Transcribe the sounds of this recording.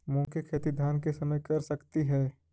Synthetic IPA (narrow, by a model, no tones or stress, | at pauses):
mʊ̃ːkʰekʰeːt̪id̪ʱaːnkesɐməjkɐɾsɐkt̪iɦɛː